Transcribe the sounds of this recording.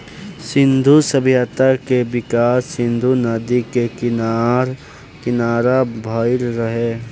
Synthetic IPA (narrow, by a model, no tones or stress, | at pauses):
sɪ̃nd̪ʱusəbjat̪akebɪkaːsːɪ̃nd̪ʱunəd̪ikekɪnaɾ | kɪnaːɾabʱəːɪlɾəɦeː